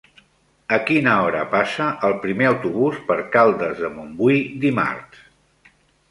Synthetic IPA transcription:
əkinəɔɾə̰pasəʔəlˠpɾimeəwt̪uβ̞uspəɾkalˠd̪əzðəmumbujd̪ima̰ɾt̪

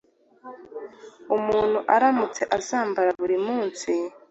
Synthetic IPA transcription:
umuːn̥huʔaɾamut͡seʔasaːmbaɾaβuɾimuːnsi

